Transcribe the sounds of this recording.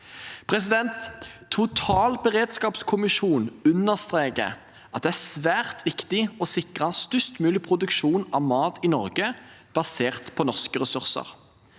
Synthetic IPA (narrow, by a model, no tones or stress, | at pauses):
pʰʁɛsɪd̪ɛnt̪ʰːʊt̪ʰɑːlbəʁeːd̪skɑːpskʰʊmɪʃuːnʉnːəʁst̪ʁeːkə̰ | ʔɑt̪̚d̪ɛæsʋæːʁt̪ʰʋɪkt̪ɪɔsɪkʁəst̪ʏst̪mʉːlɪpʰʁʊd̪ʉkʃuːnɑʋmɑːt̪ʰɪnɔʁɡəb̥ɑseːʁt̪pʰɔnɔʁskəʁɛsʉʁsə̰ʁ